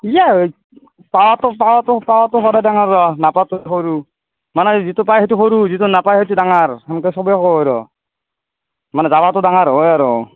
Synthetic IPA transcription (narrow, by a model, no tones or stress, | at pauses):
ija | pawatʊpawatʊpawatʊxɔdajdaŋaɹːɔnapatʊxɔɾu | manɛzitupajɦɔtuxɔɾuzitunapajɦɔt̬udaŋaɹhɛmkɛsɔbɔjɔkɔɦɔjɾɔ̰ | manɛzabatʊdaŋaɾɦɔjaɾɔ